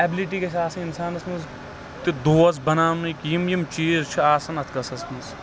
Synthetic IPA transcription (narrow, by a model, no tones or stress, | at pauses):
ɛbɪliʈiːket͡ʃʰaːsɐ̃insaːnɐsmɐnz | t̪id̪oːɐz̬bɐnaːmnɐkjimjimt͡ʃiːzt͡ʃʰiaːsɐnɐt̪ʰkɐsɐsmɐz